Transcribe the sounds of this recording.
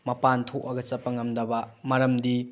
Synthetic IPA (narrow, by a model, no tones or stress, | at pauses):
mɐpantʰoʔɐɡɐt͡ʃɐpːɐŋɐmdɐbɐmɐɾɐmdi